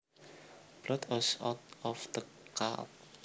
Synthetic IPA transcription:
b̥lɔt̪ʰwɔsa̰t̪̚ɔfd̪̥əkʰa̰t̚

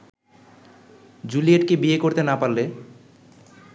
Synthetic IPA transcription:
d͡ʑulieʈkebiekoɾt̪enapalːe

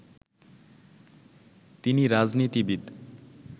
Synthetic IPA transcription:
t̪iniɾad͡znit̪ibid̪

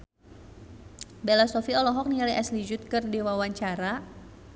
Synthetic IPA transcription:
bɛlasɔfiɔlɔɦɔk̚nialiʔaslid͡ʒut̪̚kɨrdiwawaɲt͡ʃaɾa

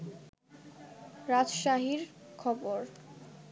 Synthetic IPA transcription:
ɾad͡ʑʃaɦiɾkʰɔboɾ

